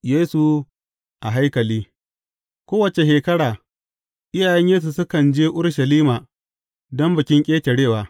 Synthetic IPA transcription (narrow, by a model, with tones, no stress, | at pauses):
jeː˦su˨ | ʔa˨ɦa˦jkɐ˨liː˦ | kʷoː˦wɐ˨t͡ʃe˨ʃeː˨kɐ˦ɽaː˨ | ʔɪ˦jaː˨jɛ˦ɲjeː˦s̬u˨sʊ˦kɐ˨nd͡ʒeː˦ʔʊ˦ɽʃɐ˨liː˦maː˨ | dɔ˦mbɐ˨kʲɪ˦ŋkʲʼeː˦tʲe˨ɽeː˦˨waː˨